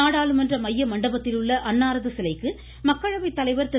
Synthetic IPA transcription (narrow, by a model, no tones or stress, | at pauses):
aːɽaːlɯmɛndrɐmɐjːɐmɐɳɖɐbɐt̪ːɪlɯɭːɐʔɐnːaːɾɐðɯsɪlɐɪkːɯ | mɐkːɐɻɐʋɐɪt̪ːɐlɐɪʋɐɾt̪ɛ